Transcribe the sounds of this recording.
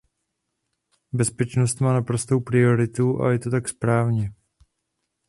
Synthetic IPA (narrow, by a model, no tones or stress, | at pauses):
bɛspɛt͡ʃno̞st̪maːnapɾost̪o̞wpɾɪo̞ɾɪt̪uʔa̰jɛt̪o̞t̪akspɾaːvɲɛ